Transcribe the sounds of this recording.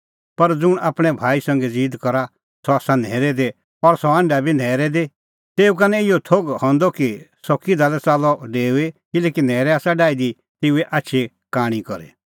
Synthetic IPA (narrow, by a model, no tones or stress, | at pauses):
pɐɾd͡zʊɽ̃aːpɽ̃ɛ̃bʱaːisɐ̃ŋɡed͡ziːd̪kɔɾa | sɔaːsanɛːɾɛd̪e | ɔɾsɔɐ̃ɳɖabʱinɛːɾɛd̪e | t̪eːuk̬anɛɪjɔt̪ʰoɡhɔ̃nd̪ɔkisɔkid̪aːlɛt͡saːlɔɖeːuekɪlɛːkinɛːɾɛaːsaɖaːid̪i | t̪eːuɛʔatːʃʰe | kaːɽ̃ikɔɾḛ